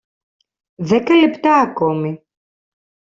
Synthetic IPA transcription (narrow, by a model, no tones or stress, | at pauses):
ðɛkɐlɛpt̪aːkɔmi